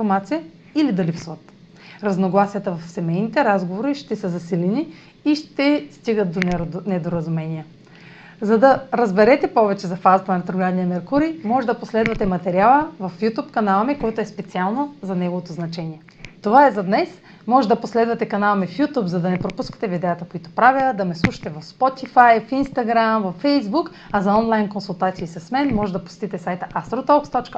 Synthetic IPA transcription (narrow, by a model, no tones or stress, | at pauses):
foɾmat̪sijə | ilid̪ɐlipsvət̪ | ɾɐznoɡlˠasijət̪əvɐfsɛmɛjnit̪ɛɾazɡovoɾiʃt̪ɛsəzɐsilɛni | iʃt̪ɛst̪iɡət̪̚d̪onɛd̪oɾɐzumɛnijə | zɐd̪ɐɾɐzbɛɾɛt̪ɛpɔvɛt͡ʃɛzɐfazɐt̪ɐnɐt̪ɾoɡlʲad̪nijɐmɛɾkuɾimɔʒɛd̪ɐposlɛd̪vɐt̪ɛmɐt̪ɛɾialˠəvɐfjut̪upkɐnalˠɐmɛkoɛt̪oɛspɛt̪sialˠnozɐnɛɡovot̪oznɐt͡ʃɛniɛ | t̪ovaɛzɐd̪nɛs | mɔʒɛd̪ɐposlɛd̪vɐt̪ɛkɐnalˠɐmɛfjut̪upzɐd̪ɐnɛpɾopuskə̥t̪ɛvid̪ɛət̪əkoit̪o̥pɾavjəd̪ɐmɛslˠuʃɐ̥t̪ɛvɐfspɔt̪ifajfinst̪ɐɡɾamvɐfːɛjzbuk | ɐzɐɔnlˠajnkonsulˠt̪at̪siːsɐsmɛnmɔʒɛd̪ɐpo̥sʲt̪it̪ɛsajt̪əʔast̪ɾot̪ɔlˠkst̪ɔt͡ʃkə